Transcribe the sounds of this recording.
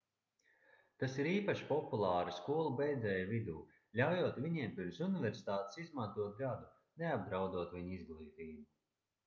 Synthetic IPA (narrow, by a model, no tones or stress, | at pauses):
t̪asiɾiːpaʃi̥pɔpulˠɑːɾiskuɔlˠubʲɛjd̪zɛːjvid̪uː | lʲawjoːt̪vʲiɲiɛmpiɾmsunivʲɛɾsi̥t̪aːt̪ɪ̥sizmant̪uɔt̪̚ɡad̪u | neab̚d̪ɾawd̪uɔt̪vʲiɲizɡlˠiːt̪iːjumu